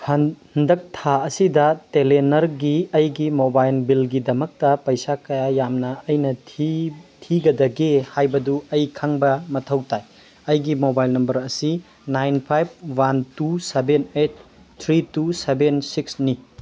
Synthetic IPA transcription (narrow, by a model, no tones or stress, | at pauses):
hɐhɐndɐk̚tʰaɐsidɐtelenɐɾɡiɐjɡimobajlbilɡidɐmɐk̚tɐpɐjsakɐjajamnɐɐjnɐ | tʰiɡɐdɐɡehajbɐduɐjkʰaŋbɐmɐtʰɐwtaj | ɐjɡimobajlnɐmbɐɾɐsi | najnpʰajb̚wantusebenet̚ːʰ | ɾitusebensiksni